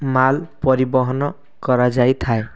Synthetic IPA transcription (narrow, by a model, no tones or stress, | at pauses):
malpɔɾibɔɦɔnɔ | kɔɾad͡ʒajt̪ʰae